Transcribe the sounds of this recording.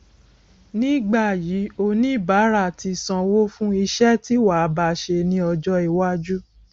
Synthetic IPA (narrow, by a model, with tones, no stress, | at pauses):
nĩ˦˨ɡ͡ba˦˨jiː˨˦o˧nĩ˦˨ba˨˦ɾa˦˨ti˧˨sã˧wo˦fũ˦i˧ʃɛ˦ti˦wa˨˧ba˧˨ʃe˧nĩ˦ɔ˧d͡ʒɔ˦i˨wa˦d͡ʒu˦